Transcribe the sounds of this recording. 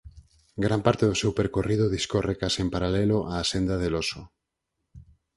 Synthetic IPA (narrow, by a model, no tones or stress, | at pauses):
ɡɾampaɾt̪eðʊsewpeɾkorið̞ʊðiskorekasempaɾalɛloʔaːsend̪aðeloso